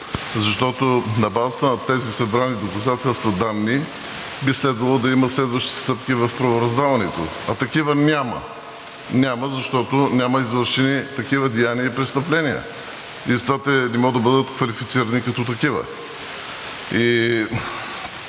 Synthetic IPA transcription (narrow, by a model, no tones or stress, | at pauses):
zɐʃt̪ɔt̪onɐbazət̪ənɐt̪ɛzisɐbɾanid̪okɐzat̪ɛlˠst̪vɐd̪anːi | bislɛd̪vɐlˠod̪ɐimət̪slɛd̪vɐʃt̪it̪st̪ɤpkʲivɐfpɾɐvoɾɐzd̪avɐnɛt̪o̰ | ɐt̪ɐkivənʲamɐ̰ | nʲaməzɐʃt̪ɔt̪onʲaməizvəɾʃɛnit̪ɐkivəd̪ijaniəipɾɛst̪ɐplɛniə̰ | ist̪vat̪ɛnɛmɔd̪ɐbɤd̪ət̪kvɐlifit̪siɾɐnikɐt̪ɔt̪ɐkivə̰ | i